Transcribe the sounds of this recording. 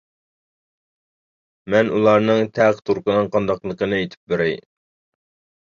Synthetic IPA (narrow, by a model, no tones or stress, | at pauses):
mɛnʔulˠɑɾnɨŋt̪ʰɛqt̪ʰuɾqənɨŋqʰɑnd̪ɑqlˠəqənɨet̪ʰɪ̥p̚beɾɪj